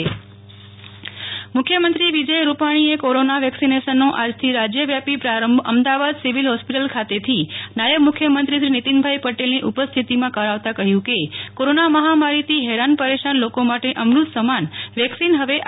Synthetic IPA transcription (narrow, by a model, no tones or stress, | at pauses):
mʊkʰːjəmənt̪ɾiʋid͡ʒəjɾupaɽ̃iekoɾonaʋɛksineʃənːoʔad͡ʒt̪ʰiɾad͡ʒjəʋjapipɾaɾəmbʱəmd̪aʋad̪siʋilɦɔspiʈəlkʰat̪et̪ʰinajəbmʊkʰjəmənt̪ɾiʃɾinit̪inbʱajpəʈelniʔupəst̪ʰit̪imãkəɾaʋt̪akəɦjũkekoɾonaməɦamaɾit̪iɦɛɾanpəɾeʃanlokomaʈeʔəmɾud̪səmanʋɛksinɦəʋe